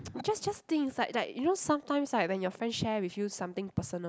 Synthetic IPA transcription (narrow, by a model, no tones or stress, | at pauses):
d͡ʒasd͡ʒast̪ɪ̃ŋslaɪk̚laɪkjunosãmtãɪ̃mslajk̚wɛ̃njɔfɹɛ̃nsʃɛwifjusãmt̪ɪ̃ŋpəsənə